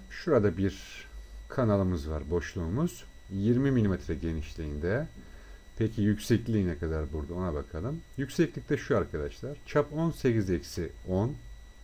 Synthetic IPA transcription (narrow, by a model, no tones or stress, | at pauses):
ʃuɾad̪abiɾ | kʰanalˠɯmɯzvaɾbo̞ʃlˠuːmuz̥ | jiɾmimilʲimɛt̪ɾɛɟe̞niʃlʲiːnd̪ɛ | pʰecʰijycsɛclʲiːnɛkʰad̪aɾbuɾd̪ao̞nabakʰalˠɯmjycʲsɛclʲic̚t̪ʰʲɛʃuaɾkʰad̪aʃlˠaɾ̥t͡ʃʰapo̞nse̞cizɛcsɪon